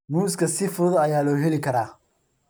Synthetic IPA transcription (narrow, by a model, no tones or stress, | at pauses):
muːskʰɐsɪfʊðɐjaːlɔːɦɛlɪkʰɐɾaː